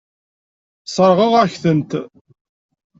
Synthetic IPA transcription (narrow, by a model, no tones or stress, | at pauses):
sˤəɾˤʁəʁæçθənt̪